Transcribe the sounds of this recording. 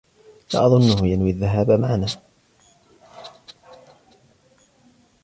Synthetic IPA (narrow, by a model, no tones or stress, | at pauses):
la̰ːʔɑðˤʊnːʊhʊjanwiaðːaɦaːbamaʕanaː